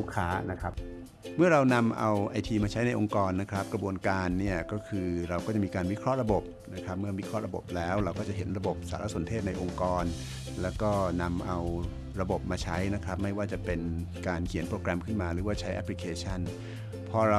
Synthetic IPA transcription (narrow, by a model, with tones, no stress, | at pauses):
u˦˥kʰːaː˦˥na˦˥kʰɾa˦˥p̚ | mɯ˥˩ɐɾa˧wna˧mʔa̰˧wʔa˧jt̪ʰiː˧maː˧t͡ɕʰa˦˥jna˧jʔo˧ŋkɔː˧nːa˦˥kʰɾa˦˥p̚kɾa˧bu˧ənkaː˧nːi˥˩ɐkɔː˥˩kʰɯː˧ɾa˧wkɔː˥˩t͡ɕa˨˩miː˧kaː˧nwi˦˥kʰɾɔ˦˥ʔɾa˧bo˨˩p̚na˦˥kʰɾa˦˥p̚mɯ˥˩ɐwi˦˥kʰɾɔ˦˥ʔɾa˧bo˨˩p̚lɛː˦˥wɾa˧wkɔː˥˩t͡ɕa˨˩ɦe˩˦nɾa˧bo˨˩p̚sa̰ː˩˦ɾa˦˥so˨˩˦nt̪ʰeː˥˩t̪̚na˧jʔo˧ŋkɔː˧n | lɛː˦˥wkɔː˥˩na˧mʔa˧w | ɾa˧bo˨˩p̚maː˧t͡ɕʰa˦˥jna˦˥kʰɾa˦˥p̚ma˥˩jwaː˥˩t͡ɕa˨˩pe˧nkaː˧nkʰi˨˩˦npɾoː˧kɾɛ˧mkʰɯ˥˩nmaː˧ɾɯː˩˦waː˥˩t͡ɕʰa˦˥jʔɛ̰˦˥pʰli˧kʰeː˧t͡ɕʰa˥˩n | pʰɔː˧ɾa˧